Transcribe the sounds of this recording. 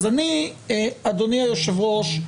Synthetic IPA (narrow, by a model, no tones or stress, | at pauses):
zani | ad̪oniajoʃevʁoʃ